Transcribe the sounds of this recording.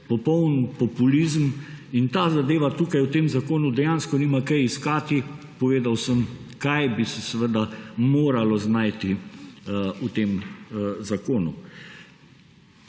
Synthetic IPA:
pɔpɔwnpɔpuliːzm | int̪aːzad̪eːʋat̪uːkajwt̪eːmzakoːnud̪ɛjaːnskɔniːmakɛjiskaːt̪i | pɔʋeːd̪awsəm | kajbisɛsɛʋəd̪amoːɾalɔznajt̪i | ut̪eːmzakoːnu

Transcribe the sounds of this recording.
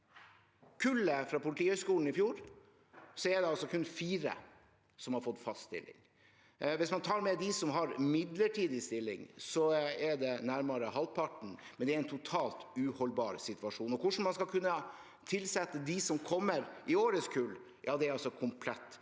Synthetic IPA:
kʰʉləfɾɑːpʊlɪt̪iːhœʏskuːln̩ɪfjuːɾ | sɔɛɖ̪ɛɑlsɔkʰʉnfiːɾə̰ | sɔmhɑɾfɔt̪ːfɑst̪st̪ɪ̰lːɪ̰ŋ | ʋɪsmɑnt̪ʰɑːɾmɛd̪ɪsɔmɦɑɾmɪd̪ləʈʰiːd̪ɪst̪ɪlːɪ̰ŋsɔɛɖɛnæɾmɑɾəɦɑlpʰɑʈɳ̩mɛnd̪ɛæɾɛɪnt̪ʰʊt̪ʰɑːlt̪ʉːhɔlbɑːɾsɪt̪ʉʋɑʂuːnɔkʊʂɳ̩mɑnskɑlkʰʉnːə | t̪ʰɪlsɛt̪ːəd̪ɪsɔmkʰɔmːəɾʔɪoːɾəskʰʉl | jɑːd̪ɛæɾɑlsɔkʰʊmpʰlɛt̪ː

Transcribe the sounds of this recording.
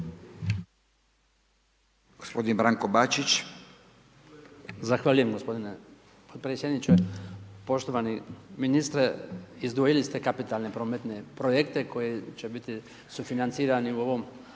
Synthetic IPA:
ɡ̥ospo̞d̪inbɾaŋkobat͡ʃit͡ʃ | zaxʋaːʎuje̞mɡo̞spo̞d̪ine | pot̪̚pɾetsjed̪nit͡ʃepo̞ʃt̪o̞ʋaniminist̪ɾeizd̪ʋojilist̪ekapit̪alˠnepɾo̞ːmet̪ne̞pɾojekt̪e̞ko̞jit͡ʃe̞bit̪i | sufinant̪siːɾaniuo̞ʋo̞m

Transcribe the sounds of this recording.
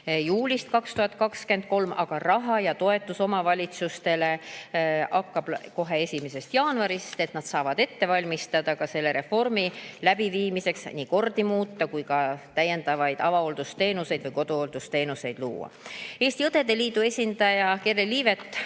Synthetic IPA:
juːlʲist̪̚kɑkst̪uhɑt̪̚ːˑkɑkske̞nd̪̥̚ko̞lmʔɑɡ̥ɑrɑɦɑjɑt̪o̞e̞t̪ːˑuso̞mɑvɑlʲit̪sust̪e̞le̞ | ʔɑkːɑb̥ko̞ɦe̞e̞sʲimese̞st̪jɑːnɑɾist̪e̞t̪nɑd̪̥sɑːvɑd̪̥e̞t̪ːe̞vɑlʲmist̪ɑd̪̥ɑkɑse̞lːe̞ɾe̞fo̞rmilæb̥iviːmise̞ksniːko̞rd̪imuːt̪ːɑkujkɑt̪æjːe̞nd̪ɑvɑjd̪̥ɑvɑo̞ld̪̥ust̪e̞ːnuse̞jd̪vɯjko̞d̪̥uold̪̥ust̪e̞ːnuse̞jd̪̥lṵːɑ̰e̞ːst̪iɤt̪e̞d̪e̞liːd̪̥ue̞sʲind̪̥ɑjɑkerːelːiːvet̪ːˑ

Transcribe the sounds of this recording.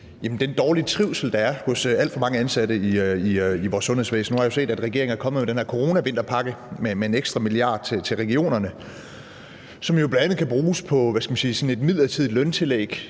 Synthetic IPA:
jæmn̩d̥end̥ɒːlit͡sʰʁiʊ̰sl̩d̥ɑ̈æɐhɔ̽sæl̰d̥fɒ̽mɑ̈ŋəænsæd̥əiiiʋɒ̰ːsːɔnhe̝sʋḛːsn̩uhɑ̈io̝se̝̰ːdæd̥ʁɛɡe̝ɐeŋ̩æɐkʰɒ̽məðˠmedenheɐkʰo̝ʁo̝ːnæʋe̝n̰d̥ɐpʰɑ̈ɡ̥əmemee̝neɡ̥sd̥ʁɑmiliɑ̈ːd̥t͡sʰet͡sʰe̝lʁɛɡ̥io̝̰ːnɐnə | sɒ̽mijo̝b̥lændænð̩ˠkʰæb̥ʁuːspʰɒ̽ʋæskɡ̥æmænsiːsɒ̽n̩e̝d̥mið̞̰ˠlɐt͡sʰið̰ˠilœnt͡sʰe̝lḛːɡ̥

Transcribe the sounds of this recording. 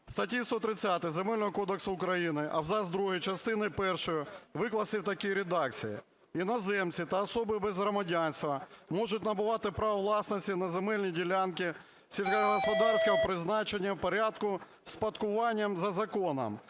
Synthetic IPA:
w̥st̪ɐtʲist̪ɔt̪ɾɪt͡sʲːat̪ɪzemɛlʲnɔɦɔkɔd̪eksʊːkɾɐjinɪʔɐwzɑzd̪ɾuɦijt͡ʃɐst̪ɪnɪpɛrʃɔjʊʋɪklˠɐsɪwt̪ɐkiɾʲed̪ɑk̚t͡sʲijḭ | inɐzɛmt͡sʲit̪ɐɐsɔbɪbɛzɦɾɔmɐdʲanʲsʲt̪ʋɐmɔʒʊtʲnɐbʊʋɑt̪ɪpɾɐʋɐʋlˠɑsnɐsʲtʲinɐzemɛlʲnʲidʲilʲankʲɪ | sʲilʲkɐɦɦɔspɔd̪ɑrsʲkɐɦɔpɾɪznɑt͡ʃenʲːɐwpɔɾʲad̪kʊ | spɐt̪kʊʋɑnʲːɐmzɐzɐkɔnɐ̰m

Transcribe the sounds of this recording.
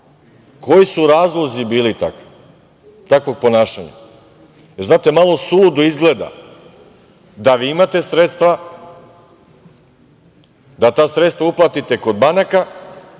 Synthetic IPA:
kʰo̞jisuɾaːzlˠo̞zibiːlit̪a̰ki̥ | t̪akʋo̞ɡ̚po̞naːʃaɲa̰ | eznaːt̪e̞malo̞sulud̪uizɡle̞d̪a̰ | d̪aʋiimat̪e̞sɾet̪st̪ʋa | d̪at̪aːsɾet̪st̪vauplˠat̪it̪e̞ko̞d̪banaka

